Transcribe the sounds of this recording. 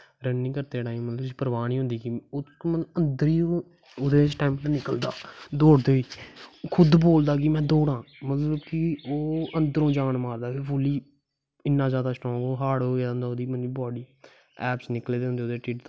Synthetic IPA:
ɾənnĩːkəɾt̪eːʈaːimmət̪ləbsiːpəɾʋaːniːɦʊ̃nd̪iːkimət̪əbənd̪əɾiː | ʊd̪eːsʈaːɪmnːnɪkəld̪a̰ːd̪oːɽd̪eːiːkʰʊd̪boːld̪aːkimɛ̃ːd̪oːɽãːmət̪ləbkɪoːə̃nd̪əɾõːd͡ʒaːnmaːɾd̪aːkʰepʰʊliː | ɪnːãːzjaːd̪aːsʈɔ̃ːkoːɦaːɽoə̃ːnd̪aːod̪iːməniːbɔːɖiː | ɛːpsnɪkleːd̪eːɦnd̪eːod̪eːʈiːʈt̪ː

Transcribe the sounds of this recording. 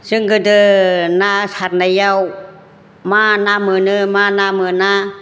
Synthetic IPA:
sɯŋɡɯdɯnasaɾnajaw | manamɯnɯmanamɯna

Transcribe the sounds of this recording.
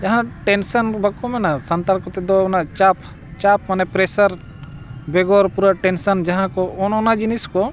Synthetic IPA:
d͡ʒɐɦãʈɛnsənbʱakɔmɛnasɐnt̪aɾkɔt̪ɛd̪onat͡ʃap | t͡ʃap̚manɛpɾesəɾ | bɛɡoɾpuɾaʈɛnsənd͡ʒɐɦãkɔɔnɔnad͡ʒiniskɔ

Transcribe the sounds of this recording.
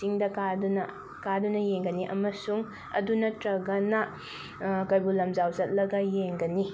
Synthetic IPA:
siŋdɐkadunɐ | kadunɐjeŋɡɐniʔɐ̰mɐsuŋ | ɐ̰dunɐtɾɐɡɐnɐ | kɐjbulɐmzawzɐt̚lɐɡɐjeŋɡɐni

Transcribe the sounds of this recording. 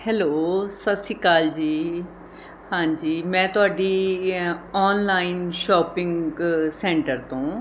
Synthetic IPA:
hɛːloːsəsiːkaːld͡ʒiː | hãːɲd͡ʒiːmɛ̃ːt̪ʊaːɖiː | ɔːnlaːinʃɔːpɪ̃ŋɡsɛ̃ːɳʈəɾt̪õː

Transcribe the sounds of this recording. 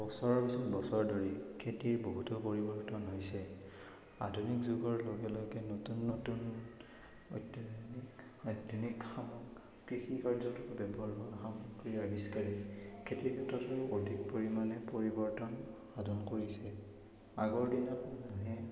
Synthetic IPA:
b̥ɔsɔɹɔɹpasɔtbɔsɔɹdoɹikʰetiɹboɦutɔpoɹibɔɹtɔnɦojsɛ | adʱunikzuɡɔɹloɡɛlojkɛnotunːotun | o̰jtːinik | tinikxamɔkː | ɹixikaɹzɔntɔɹbɛbɔɹɦɔaxamuɡɹiɹabiskaɹikʰetiɹkʰɛtɔtɔɹodʱik̚poɹimanɛpoɹibɔɹtɔnxadʱɔnkoɹisɛ | aɡɔɹdinapɔnɔɦɛ

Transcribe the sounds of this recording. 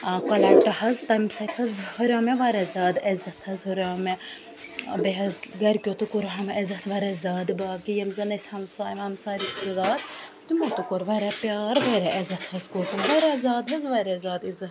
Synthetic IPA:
kɐlɐʈɐɦɐzt̪ɐmsɐt̪ʰɐzhoɾʲaːmeʋɐɾɛzaːd̪ɐzɐt̪ʰhɐzhoɾʲaːme | beɦɐzɡɐɾkʲjoːt̪ukuɾɦɐmezɐt̪ʰʋɐɾɛzaːd̪baːkijɐmzɐnɐsʲhɐmsaːjmɐmsaːɾit̪izaːd̪ | t̪imot̪ukoɾʋɐɾɛpjaːɾʋɐɾɛʔezɐt̪ʰhɐzkot̪ʰɐmʋɐɾɛzaːd̪ɦɐzʋɐɾɛzaːd̪izɐt̪

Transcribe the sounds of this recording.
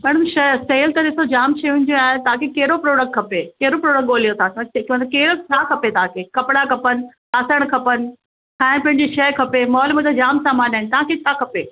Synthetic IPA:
mɛːɽ̃ʊmʃɐseːlt̪ɐɗɪsod͡ʑaːmt͡ɕʰeʋʊ̃ɪ̃n̆d̪joaːet̪ɐʋ̤ãkʰekɐɦɪɾopɾoːɽək̚ʈ̚kʰɐpekɐɦɪɾopɾoːɽək̚ɠoːlijot̪ʰãskĩʋə̃nt̪ɐkeːɪɾət͡ɕʰaːkʰɐpet̪ɐãkʰekɐpɪɽakɐpənɪ̆ | aːsəɽ̃kʰɐpənɪ̆ | ãːɪnpɐ̃ɦɪ̃ɲd͡ʑiʃɐjkʰɐpemɔːlmət̪ɐd͡ʑaːmsaːmaːnaːɪnt̪ɐʋãkʰet̪ʰakʰɐpeː

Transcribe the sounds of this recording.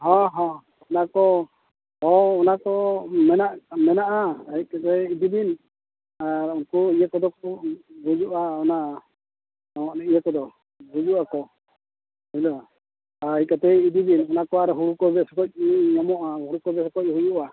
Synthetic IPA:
ɦɔɦɔ | ɔnakɔ | ɔːnakɔmɛnaʔmɛnaʔaikat̪ɛid̪ibin | aunkuijakɔd̪ɔkuɡud͡ʒuʔaɔna | ɔmɔʔnɛijakɔd̪ɔ | ɡud͡ʒuʔakɔ | hilɔ | aikat̪ɛid̪ibinɔnakɔaɾɛɦuɽukɔbɛsɔkɔc̚iɲamɔʔahuɽukɔbɛsɔkɔc̚ɦud͡ʒuʔa

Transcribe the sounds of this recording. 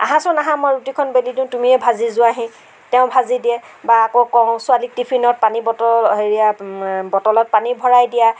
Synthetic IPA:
a̰ɦãsɔnaɦãmɔjɹutikʰɔnbelidĩʊ̃tumiɛbʱazizʊaɦĩ | tɛʊ̃bʱazidiɛbaːkokɔsʊalik̚tipʰinɔt̚panibɔtɔɦeɹijabɔtɔlɔt̚panibʱɔɹajdija

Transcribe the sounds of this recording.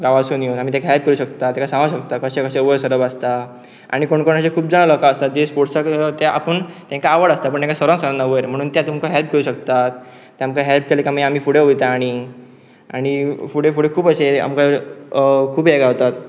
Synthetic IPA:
ɡaʋasoniot̪amiːt̪jãkaɦɛlp̚kəɾuɕəkt̪at̪jãkasãŋɡaɕəkt̪akəɕẽkəɕẽəʋəɾsəɾəbast̪a | a̰ɽ̃ikoɳkoɳ̃at͡ɕekʰuːbd͡zaɽ̃alɔkaəst̪at̪d͡ʑespoʈsakt̪aʔa̰pəɳt̪ẽŋkaːʋəɽast̪apəɳt̪ẽkasəɾə̃ŋsəɾãnːəʋəɾm̤əɽ̃uːnt̪jat̪umkaɦelp̚keɾuɕəkt̪at̪̚ː | jamkaɦelp̚kelekamaam̤iːfuɽeojt̪aːɽ̃i | aɽ̃ifuɽefuɽekʰuːbəsea̰mka | kʰuːbeɡaɦot̪at̪̚

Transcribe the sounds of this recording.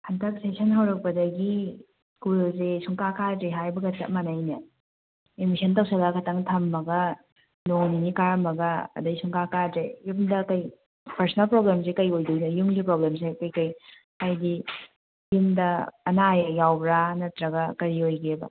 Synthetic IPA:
hɐntɐk̚sesʰɐnɦɐwɾɐk̚pɐdɐɡi | kulzesuŋkakʰatɾeɦajbɐɡɐtɐ̰ʔ̚mɐnajnɐ | emisʰɐntɐwsɐɡakʰɐtɐŋtʰɐmːɐɡɐ | noŋninikaɾɐmɐɡɐɐ̰dɐisuŋkakatɾejumdɐkɐj | pɐɾsɐnɐlpɾoblems̬ekɐjojdunɐjumɡipɾoblems̬ekɐjkɐj | hajdi | jimdɐːnajjawbɾanɐtɾɐɡɐkɐɾiojɡebɐ̰

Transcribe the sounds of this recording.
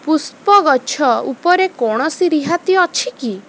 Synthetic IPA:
puspɔɡɔt͡ʃʰɔṵpɔɾekɔɽ̃ɔsiɾiɦat̪iɔt͡ʃʰiki

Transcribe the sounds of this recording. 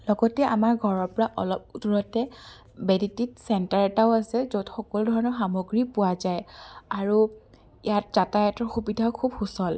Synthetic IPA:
lɔɡɔtɛʔamaɹɡʱɔɹɔɹpɔɹaʔɔ̰lɔp̚duɹɔtɛ | bɛdititsɛntaɹɛtaʊasɛzotxɔkɔludʱɔɹɔnɔɹxamoɡɹipʊwazajaɹu | ijatz̥atajatɔɹxubidʱakʰubxusɔl

